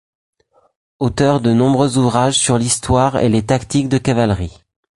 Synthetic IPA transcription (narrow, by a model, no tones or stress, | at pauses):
ot̪œʁd̪ənɔ̃bʁøzuvʁaʒsyʁlist̪waʁḛlet̪akt̪ik̚d̪əkavalʁi